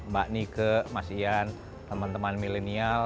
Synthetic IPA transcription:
baʔnikəmasian | t̪əmant̪əmanmilenial

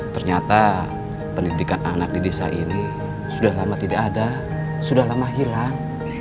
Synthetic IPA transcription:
t̪ərɲat̪a | pəndidikana̰nak̚didesa̰ʔini | sudaɦlamat̪idaʔːda | sudahlamaɦilaŋ

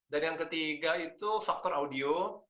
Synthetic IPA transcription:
danjaŋkət̪iɡait̪ufak̚t̪ɔraudio

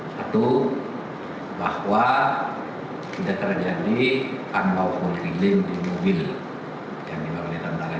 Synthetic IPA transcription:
sat̪u | bahwa | t̪idaʔ̚t̪ərd͡ʒadipanlawhɔlɾilɪŋdimobil | jaŋdibakalit̪ant̪aɾa

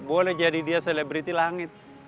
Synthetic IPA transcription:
bolɛd͡ʒadidiasɛlɛbɾit̪ilaŋɪt̪̚

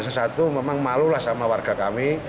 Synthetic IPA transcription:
sasat̪umemaŋmalulahsamawarɡ̥a̤kami

